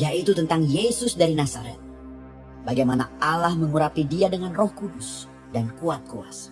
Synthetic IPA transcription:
jait̪ut̪ənt̪aŋjesʊsdaɾinasaɾɛ̰t̪̚ | baɡajmanaalahməŋuɾapidiadəŋanrɔhkudʊs | dankuat̪̚koas

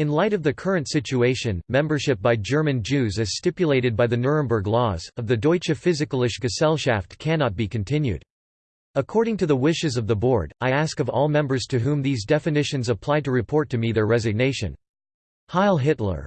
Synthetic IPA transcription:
ɨ̃nlaɪɾʌvðɨkʰɜ˞ɨ̃ntsɪt͡ʃʉeɪʃɨ̃nmɛ̃mbə˞ʃɪp̚b̥aɪd͡ʒɜ˞mɨ̃nd͡ʒʉzɨz̥stɪpjɨleɪɾɨd̚baɪðɨnɜ˞ɨ̃nbə˞ɡlɔzʌvðɨdɔɪt͡ʃɨfɪzɨkl̩ˠɪʃɡ̥ɨsɛlˠʃæftkʰænɑt̚b̥ikɨ̃n̩tʰɪ̃njʉ̰ɾ | əkʰɔɹɾɪ̃ŋtʰɨðəwɪʃɨzʌvðəbɔɹɾaɪæskʌvɔ̰lˠmɛ̃mbə˞z̥tʰɨɦũmðizdɛfɨnɪʃɨ̃nzəpʰl̥aɪɾɨɹɨpʰɔɹtʰɨmiðə˞ɹɛzɨɡ̚neɪʃɨ̰̃n | haɪlˠɦɪtˡlə̰˞

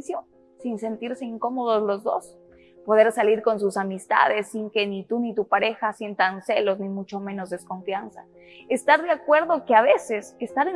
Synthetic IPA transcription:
sjo | sinse̞nt̪iɾse̞iŋko̞mo̞ðo̞zlo̞zðo̞̰s | po̞ð̞e̞ɾsaliɾko̞nsusamist̪a̰ðe̞sːiŋke̞nit̪unit̪upaɾe̞xasje̞nt̪anse̞lo̞znimut͡ʃo̞mẽ̞no̞zðesko̞ɱfjansa | est̪aɾðeakwe̞ɾðo̞keaβe̞se̞sest̪aɾe

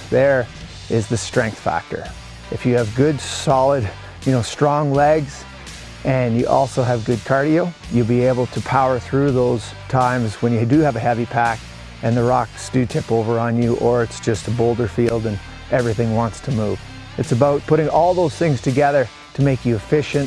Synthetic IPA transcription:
ðə˞ | ʔɪzðɨstɹ̥ɛ̃ŋk̚θfæ̰k̚tə̰˞ | ɨfjɨːvɡʊdsɑlˠəd | jɨnoʊstɹ̥ɔ̃ŋlɛɡz̥ | ʔɨ̃njɨʔɔ̰lˠsoʊɨvɡʊd̚kʰɑɹɾil̩ˠ | jɨlˠbieɪbl̩ˠtʰɨpʰaʊə˞θɹʉðoʊz̥ | tʰãɪ̃mzwə̃njɨdɨːvɨhɛvipʰæk | ɨ̃nðɨɹɑksd̥ɨtʰɪpoʊvə˞ə̃njɨʔə˞ɨtsd̥ʒ̥ʌstəboʊlˠdə˞filˠdɨ̃n | ʔɛvɹiθɪ̃ŋwɑ̃ntstʰɨmuv̥ | ɨtsɨbaʊt̚pʰʊɾɪ̃ŋɔlˠðoʊz̥θɪ̃ŋz̥tʰɨɡɛðə˞ | ɾɨmeɪkjɨɨfɪʃɨ̃nt

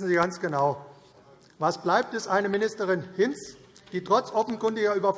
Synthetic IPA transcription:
sn̩ziːɡant͡sɡ̥ənaʊ | vasb̥laɪp̚tɛsʔaɪnəmɪnɪstəʁɪnhɪns | d̥iːtʁ̥ɔt͡sʔɔfn̩kʊndɪɡɐʔyːbɐf

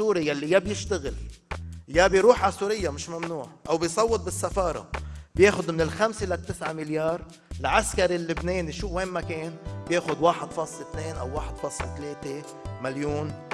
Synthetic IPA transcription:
uːɾijalːijabjɪʃt̪aɣɪl | jabjɾuːħʕasuːɾɪjːamɪʃmamnuːʕʔawbjsˤɑwːɨt̪̚bɪsːafɑːɾˤɑ̰bjeːxʊd̪mɪnɪlxamselat̪ːɪsʕamɪljɑːɾˤ | lʕaskaɾilːɪbneːniʃuːweːmːakeːnbjeːxʊd̪waːħɪd̪̥fɑːsˤlet̪neːnʔa̰wːaːħɪd̪̥fɑːsˤlet̪leːt̪e | maljuːn

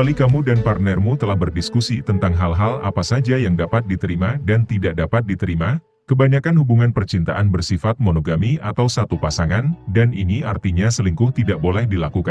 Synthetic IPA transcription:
balikamudanpart̪nɛrmut̪əlahbərdiskusit̪ənt̪aŋɦalɦala̰pasad͡ʒajaŋdapat̪̚dit̪əɾimadant̪idaʔ̚dapat̪̚dit̪əɾima | kəbaɲakanhubuŋanpərt͡ʃint̪aʔanbərsifat̪̚monoɡamiʔat̪awsat̪upasaŋandaniniart̪iɲasəliŋkʊht̪idaʔbolɛhdilakukan

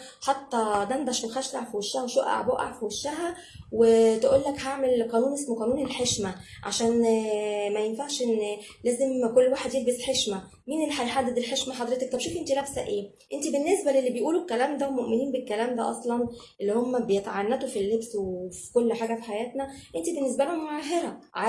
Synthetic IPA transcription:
ħɑt̪ˤːɑd̪ænd̪æʃwexæʃlaʕfiwæʃːæhæweʃoʔa̰ʕboʔa̰ʕfiwæʃːæɦæ | wet̪eʔuːlːækhaʕmelqɑːnuːnʔesmoqɑːnuːnelħeʃmæ | ʕa̰ʃæːn | mæjenfaʕʃʔenː | læːzemkolːwaːħed̪jelbesħeʃmæ | miːnelːiħajħad̪ːed̪elħeʃmæħɑd̪ˤɾet̪ek̚t̪ɑbʃuːfʔent̪ilæbsæʔʔeː | ʔent̪ibenːesbælelːibejʔuːlukːælæːmd̪æwmoʔmeniːnbekːælæːmd̪æ̰ʔɑsˤlɑnʔelːihomːæbejet̪ʕanːæt̪ufilːebswefi̥kolːħaːɡæfiħajæːt̪næʔent̪ibenːes̬bælohmoʕaɦeɾæʕ

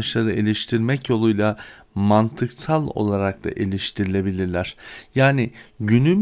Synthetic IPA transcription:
ʃlˠaɾɯelʲiʃt̪ʰiɾmɛcjo̞lˠujlˠa | mant̪ʰɯksalˠo̞̰lˠaɾak̚t̪a̰ʔelʲiʃt̪ʰiɾilʲe̞bilʲiɾlʲæɾ̥jaːnɪɟynym

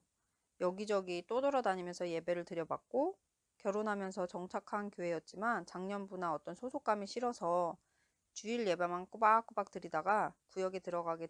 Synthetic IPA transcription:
jʌɡid͡ʑʌɡit͈odʌɾʌdaɲimjʌnsʰʌje̞be̞ɾɯɭtɯɾjʌbak̚k͈o | kjʌɾonɦamjʌnsʰʌt͡ɕʌŋt͡ɕʰakʰankjoɦe̞jʌt̚t͡ɕ͈imant͡ɕaŋɲʌnbunaʌt͈ʌnsʰosʰok͈amiɕʰiɾʌsʰʌ | t͡ɕuiɭje̞bamank͈ɯbak͈ɯbak̚t͈ɯɾidaɡakujʌɡetɯɾʌɡaɡe

